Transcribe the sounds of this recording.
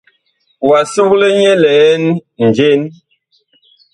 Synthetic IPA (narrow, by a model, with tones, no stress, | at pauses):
wa˨su˦ɣlə˦ɲɛ˦lɛː˨˦n˦n̩˨d͡ʒe˦n